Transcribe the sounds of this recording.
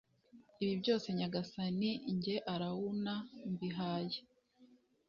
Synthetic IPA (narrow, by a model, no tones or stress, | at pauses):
iβibɟo̞ːse̞ɲaɡasaniɲɟe̞ʔaɾawunambiɦaːje